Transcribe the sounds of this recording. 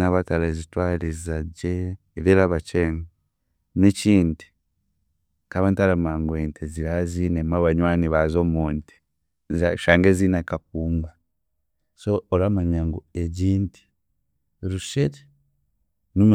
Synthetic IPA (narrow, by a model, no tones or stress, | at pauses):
naβatalaezitwaːlizaɟeː | βeɾaβat͡ʃeːŋɡa | neciːnti̥ | kaβantalamaːŋɡweːntʰeziɾazinemaβaɲwaːniβazomuːnti̥ | zʃaːŋɡezinakak̚uːŋɡwa | soːlamaɲaŋɡo̰eɟiːnti̥ | ɾuʃete̥ | num